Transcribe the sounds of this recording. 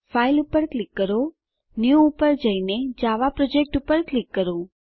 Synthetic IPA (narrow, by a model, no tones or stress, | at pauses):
failupəɾklikːəɾo | njuːpəɾd͡ʒəined͡ʒaʋapɾɔd͡ʒek̚ʈupəɾklikːəɾũ